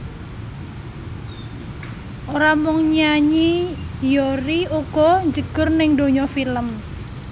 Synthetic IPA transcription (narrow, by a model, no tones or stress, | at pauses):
ʔoɾamʊŋɲaɲijɔɾiuɡ̥ɔɲd͡ʒəɡ̥ʊ̤rnɪŋd̪oɲɔfiləm